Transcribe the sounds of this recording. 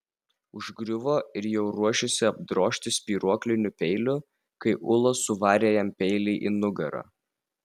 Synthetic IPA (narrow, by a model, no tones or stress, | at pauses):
ʊʒɡɾʲʊʋoːɪɾjɛʊɾuɔʃʲɪsʲɪɐb̚d̪ɾoːʃʲt̪ʲɪsʲpʲiːɾuɔklʲɪnʲʊpʲɛɪlʲʊ | kɐɪʔʊlˠosʊʋɑːɾʲeːjɛmpʲɛɪlʲɛɪʔinʊɡɐɾɐ̰ː